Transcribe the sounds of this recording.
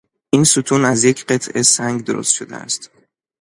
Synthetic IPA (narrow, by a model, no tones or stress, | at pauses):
ʔiːnsut̪ʰuːnæzje̞cʰɢe̞t̪ʰʔesæŋɡd̪oɾo̰st̪ʃo̞d̪ḛæ̰st̪